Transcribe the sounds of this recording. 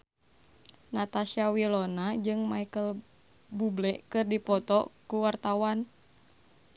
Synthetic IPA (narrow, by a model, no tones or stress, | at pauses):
nat̪asiawilɔnad͡ʒɨŋmaikəl | bublɛʔkɨrdipɔt̪ɔkuwart̪awan